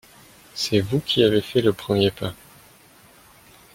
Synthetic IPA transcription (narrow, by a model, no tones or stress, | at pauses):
sɛvukʲʰiavefɛləpχəmjepa